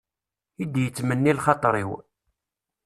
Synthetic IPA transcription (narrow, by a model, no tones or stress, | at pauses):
id̪jət͡sːmənːilχɑt̪ˤɾˤiw